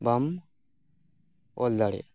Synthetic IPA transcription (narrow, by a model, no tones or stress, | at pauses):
bam | old̪aɽḛ